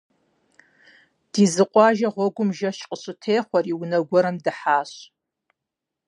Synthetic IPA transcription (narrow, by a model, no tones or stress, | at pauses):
d̥iːzɨqʷʼɑːʒɐʁʷɔɡʷʊmʒɐʃqʼəɕʊtʰeːχʷɔriwnɐɡʷɔɾɨmdɨħaːɕ